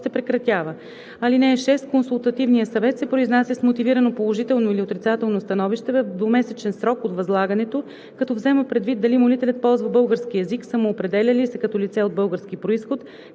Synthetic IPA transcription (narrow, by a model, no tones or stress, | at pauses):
sɛpɾɛkɾɐt̪ʲjavə | ɐlinɛːʃɛst̪̚konsulˠt̪ɐt̪ivnijəsɐvɛt̪sɛpɾoiznasɛsmot̪iviɾənopolˠoʒit̪ɛlˠnoiliot̪ɾit̪sat̪ɛlˠnost̪ɐnɔviʃt̪ɛvɐvd̪vomɛsɛt͡ʃɛnsɾɔkot̪vɐzlˠaɡɐnɛt̪o | kɐt̪ɔvzɛməpɾɛd̪vid̪̚d̪ɐlimolit̪ɛlʲɐt̪̚pɔlˠzvɐbɤlˠɡəɾskiɛziksəmuːpɾɛd̪ɛlʲɐlisɛkɐt̪ɔlit̪sɛod̪̚bɤlˠɡəɾskipɾoisxot̪